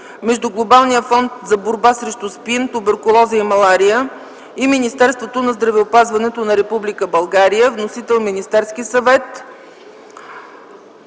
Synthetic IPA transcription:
mɛʒd̪ʊɡlˠobalˠnijəfɔnt̪zɐboɾbasɾɛʃt̪ʊspint̪ʊbɛɾkʊlˠɔziəimɐlˠaɾiə | iminist̪ɛɾst̪vot̪onɐzd̪ɾɐvɛopazvɐnɛt̪onɐɾɛpublikəbɐlˠɡaɾijəvnosit̪ɛlˠminist̪ɛɾskisɐvɛt̪

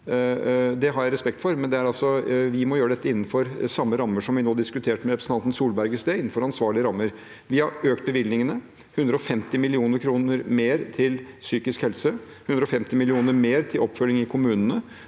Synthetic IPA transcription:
d̪ɛɦɑɾjæɪɾɛspɛk̚t̪fɔɾmɛnd̪ɛæɾɑlsɔʋɪmɔjøːɾəɛt̪ːəɪnːn̩fɔɾsɑmːəɾɑmːəʂɔmʋɪnoːd̪ɪskʉt̪ʰeːʈmɛɾɛpɾəsnʰɑnt̪n̩suːlbæɾɡəsd̪eɪn̩ːfɔɾɑnsʋɑːɭɪəɾɑmːəɾ | ʋɪhɑɾøːk̚t̪̚bəʋɪlnɪŋənə | hʉnd̪ɾəɔfɛmt̪ɪmɪlɪuːnəɾkʰɾuːnəɾmeːɾt̪ʰɪlsyːkɪskhɛlsə | hʉnd̪ɾəɔfɛmt̪ɪmɪlɪuːnəɾmeːɾt̪ʰɪlʔɔpːfœlɪŋɪkʰʊmʉːnənə

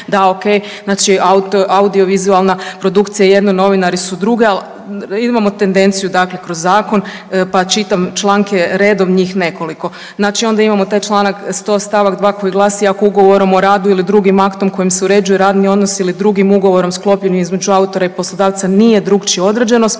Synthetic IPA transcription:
d̪aokej | znaːt͡ʃiaut̪oʔaud̪io̞ʋizualˠnapɾo̞d̪ukt̪sijaje̞d̪no̞no̞ʋinaɾisud̪ɾuɡeal | imamo̞t̪e̞nd̪e̞nt̪sijud̪akle̞kɾo̞zːaːko̞n | pat͡ʃit̪amt͡ʃlˠaːŋke̞ɾe̞ːd̪o̞ʋɲiːxne̞ko̞liko̞ | znaːt͡ʃio̞nd̪aimamo̞t̪aːjt͡ʃlˠaːnakst̪o̞st̪aʋakd̪ʋaːko̞jiɡlˠaːsiːako̞uɡo̞ʋo̞ɾo̞moɾaːd̪uilid̪ɾuɡimakt̪o̞mko̞jimseuɾe̞d͡ʒujuɾaːd̪nio̞d̪no̞siilid̪ɾuɡimuɡo̞ʋo̞ɾo̞msklˠo̞pʎe̞nimizmed͡ʒuaut̪o̞ɾaiposlˠo̞d̪aːʋt̪sanije̞d̪ɾukt͡ʃio̞d̪ɾed͡ʒenost̪

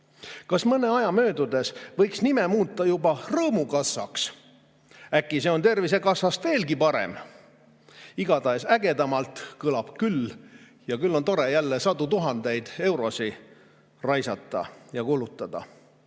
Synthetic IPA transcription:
kɑsmɤne̞ɑjɑmø̞ːd̪ud̪e̞svɤ̞jksnimemuːt̪ːˑɑjubɑrɤːmukɑsːɑ̰ks | ækːˑise̞o̞nt̪e̞rvis̬e̞kɑsːɑst̪ve̞ːlɡipɑɾḛm | iɡ̥ɑd̪ɑesæɡe̞d̪ɑmɑlt̪ˑkɯlɑb̥kylː | jɑkylːo̞nt̪o̞ɾe̞jælːesɑd̪ut̪uɦɑnd̪e̞jd̪̥e̞wɾo̞si | rɑjsɑt̪ˑːɑ̰jɑkolut̪ːˑɑd̪̥ɑ̰

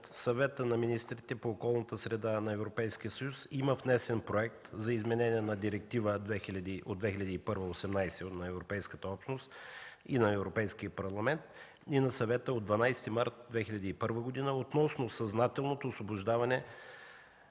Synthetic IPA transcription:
t̪sɐvɛt̪ənɐminist̪ɾit̪ɛpoːkɔlˠnət̪əsɾɛd̪anɐɛvɾopɛjskiəsəjusiməvnɛsɛnpɾoɛk̚t̪zɐizmɛnɛniɛnɐd̪iɾɛk̚t̪ivəd̪vɛxilʲɐd̪iʔo̰d̪vɛxilʲɐd̪iːpɤɾvəosɛmnajsɛonɐɛvɾopɛjskət̪əɔpʃnost̪inɐɛvɾopɛjskiəpɐɾlˠɐmɛnt̪ | inɐsɐvɛt̪əod̪vɐnajst̪imaɾt̪̚d̪vɛxilʎʲɐd̪iːpɤɾvəɡod̪inəot̪nɔsnosɐznat̪ɛlˠnot̪oːsvobʊʒd̪avɐnɛ

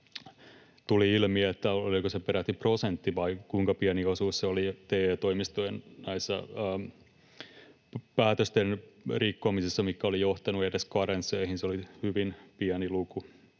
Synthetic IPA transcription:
t̪uliilmiæet̪ːæolikosepeɾæt̪ːiprosent̪ːiʋɑikuiŋkɑpiæniosuːsseolit̪eːeːt̪oimist̪ojennæisːɑ̰ː | pæːt̪øst̪enrikːomisisːɑmikːæolijoht̪ɑnuedeskɑɾenseihinseolihyʋinpiæniluku

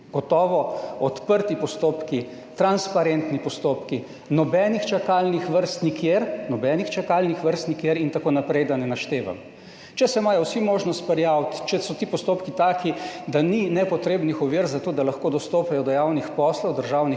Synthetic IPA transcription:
ɡ̥ɔt̪ɔːʋɔɔt̪pəɾt̪ipɔst̪oːpki | t̪ɾanspaɾent̪nipɔst̪oːpki | nɔbɛnixt͡ʃakaːlnixʋəɾst̪nikʰjeɾnɔbɛːnixt͡ʃakaːlnixʋəɾst̪nikjeɾint̪akoːnapɾɛjd̪anɛnaʃt̪eːʋa̰m | t͡ʃɛsɛmaːjɔwsimoːʒnɔst̪pɾɛjaːwt̪t͡ʃɛsɔt̪ipɔst̪oːpkit̪aːkid̪aninɛpɔt̪ɾeːbnixɔʋiːɾzat̪oːd̪alaxkoːd̪ɔst̪oːpɛjɔd̪ɔjawnixpɔslɔwd̪əɾʒaːwni

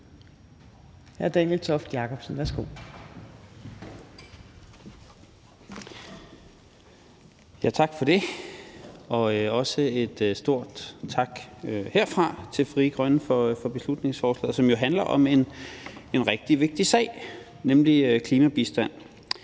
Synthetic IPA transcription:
hæɐd̥ɛnjelt͡sʰɒfd̥jɑ̈kʰɒ̽b̥sən̩ʋæɐsɡ̥o̝̰ | jæt͡sʰɑ̈ɡ̥fɒ̽ɾ̥e̝ | ɒ̽ɒ̽səe̝d̥sd̥o̝ɐ̰d̥t͡sʰɑ̈ɡ̥heɐ̰fʁɑ̈t͡sʰe̝lfʁiːɡ̥ʁɶnəfɒfɒ̽b̥e̝slud̥ne̝ŋsfɒːslɛ̰ð̩ˠsɒ̽mjo̝ɦænlɐʔɒ̽me̝nenʁɛɡ̥̚d̥iʋe̝ɡ̥̚d̥isɛ̰ɪ̰ | nemliøkʰliːmæb̥isd̥æn̰

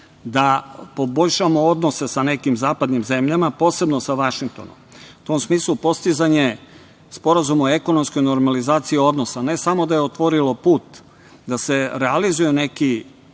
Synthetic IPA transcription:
d̪apo̞bo̞ʎʲʃamood̪no̞se̞sane̞kimzaːpad̪nimze̞mʎamapo̞ːse̞bno̞saʋaʃiŋk̚t̪o̞̰no̰mut̪o̞ːmsmiːslˠupo̞st̪izaɲe̞ | spo̞ɾazumoe̞ko̞no̞msko̞jno̞ɾmalizaːt̪siio̞d̪no̞sane̞samo̞d̪aje̞ot̪ʋo̞ɾilo̞puːt̪ | d̪ase̞ɾealizujene̞ki

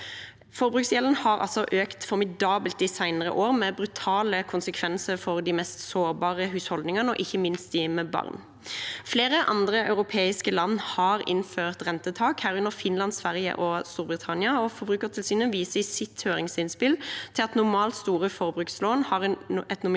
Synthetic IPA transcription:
fɔɾbʁʉːksjɛlən̩hɑʁɑ̰lsɔʔøːkt̪fɔɾmɪd̪ɑːbəlt̪̚d̪ɪsæɪnəʁə̰ʔoːʁmɛbɾʉt̪ʰɑːləkʰʊnsəkʰʋɛnsəɾfɔʁd̪ɪmɛst̪soːɾbɑːʁəɦʉːshɔld̪nɪŋənəɔ̰ʔɪçːəmɪnst̪̚d̪ɪmɛbɑ̰ʁn | fleːʁəʔɑ̰nd̪ʁəʔɑ̰ʉɾʊpʰeːɪskəlɑnːhɑʁɪ̰nføːʁt̪ʁɛnt̪ət̪ʰɑːkhæːɾʉnəɾfɪnlɑnsʋæʁjə̰ʔɔst̪uːɾbʁɪt̪ʰɑnɪəɔfɔʁbʁʉːkəʁt̪ʰɪlsiːnənʋiːsəɪsɪt̪høːʁɪŋsɪnspɪlt̪ʰɪlɑt̪nʊʁmɑːlt̪st̪uːʁəfɔɾbʁʉːksloːnhɑːʁɛnɛt̪nʊm

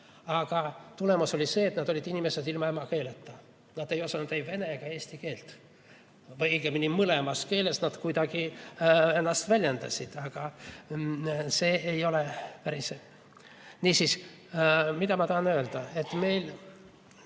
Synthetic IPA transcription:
ɑɡ̥ɑt̪ule̞muso̞lʲise̞ːt̪nɑd̪o̞lʲid̪inʲime̞se̞d̪ilmɑe̞mɑke̞ːlet̪ːɑ | nɑd̪e̞jo̞sɑnud̪ejve̞ne̞ɡ̥ɑe̞ːsʲt̪ike̞ːlt̪ | vɤjɡeminʲimɯlemɑske̞ːle̞snɑd̪̥kujd̪ɑɡ̥i | e̞nːɑst̪vælʲjend̪ɑ̰sʲid̪̥ɑɡ̥ɑ | se̞ːejo̞lepæɾis | niːsis | mid̪ɑmɑt̪ɑhɑnø̞ːld̪̥ɑe̞t̪ːme̞jl

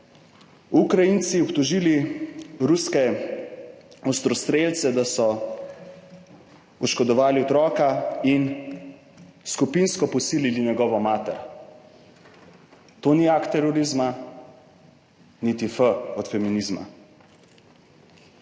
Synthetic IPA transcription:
ukɾajint̪siɔpt̪ɔʒiːliɾuskɛ | ɔst̪ɾɔst̪ɾelt̪sɛd̪asɔ | ɔʃkɔd̪ɔʋaːliɔt̪ɾɔːkain | skupinskɔpɔsiːliliɲɛɡɔːʋɔmaːt̪ɛɾ | t̪oːniakt̪ːɛɾɔɾizma | nit̪ifəɔt̪fɛminizma̰

